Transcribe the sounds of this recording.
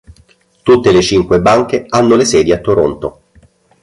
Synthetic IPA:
t̪ut̪ːelet͡ʃiŋkwebaŋk̟eanːolesɛːd̪iat̪ːoɾont̪o

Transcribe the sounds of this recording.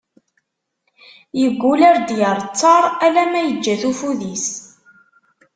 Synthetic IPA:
jəɡʷːulaɾd̪jəɾˤt͡sːɑɾˤælæmæjəd͡ʒːæθufuðis

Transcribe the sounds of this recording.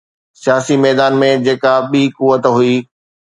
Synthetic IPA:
sɪjaːsimɛːd̪aːnmẽd͡ʑeːkaɓiːkuʋət̪ɦuiː

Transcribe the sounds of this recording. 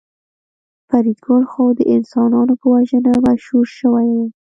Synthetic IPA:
faɾid̪ɡolxɑwd̪əʔɪnsɑnɑnopəwaʒənamaʃhuɾʃəwaj

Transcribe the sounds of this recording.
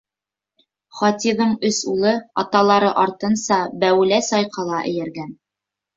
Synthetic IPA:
χɑt̪ʲiðɤɴɵsulˠɤɑt̪ɑlˠɑɾɤʔɑɾt̪ɤ̆nsɑbæwɘ̆læsɑjqʰɑlˠɑʔɘ̰̆jɘ̆ɾɡæn

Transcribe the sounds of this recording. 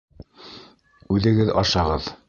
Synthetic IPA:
ʉðɘ̆ɡɘðɑ̰ʃɑʁɤð

